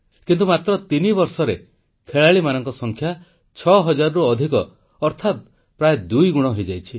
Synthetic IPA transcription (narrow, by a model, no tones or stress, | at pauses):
kint̪umat̪ɾɔt̪inibɔɾsɔɾe | kʰeɭaɭimanɔŋkɔsɔŋkʰja | t͡ʃʰɔɦɔd͡ʒaɾɔɾuɔd̪ʱikɔː | ɾt̪ʰat̪̚ | pɾajed̪ujɡuɽ̃ɔɦojd͡ʒajt͡ʃʰi